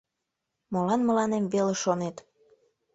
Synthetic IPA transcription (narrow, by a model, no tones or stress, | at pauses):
molɑnmə̆lɑnemβeleʃonet̪